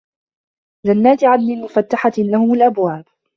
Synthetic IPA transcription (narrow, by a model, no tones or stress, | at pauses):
d͡ʒanːaːt̪ɪʕanmɪnmʊfat̪ːaħalahʊmʊlʔabwaːb̥̚